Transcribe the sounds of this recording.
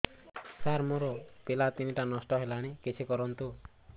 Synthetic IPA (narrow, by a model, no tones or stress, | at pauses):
saɾmoɾɔpelat̪iniʈanɔsʈɔɦelaɽ̃ikit͡ʃʰikɔɾɔnt̪u